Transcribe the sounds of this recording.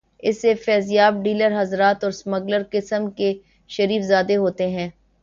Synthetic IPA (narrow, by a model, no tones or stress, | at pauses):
ɪsːefɛːzjaːb̚ɖiːləɾɦɐzɾaːt̪ɔːɾsmɐɡləɾkɪsəmke | ʃɐɾiːfzaːd̪eɦoːt̪eɦɛ̃ː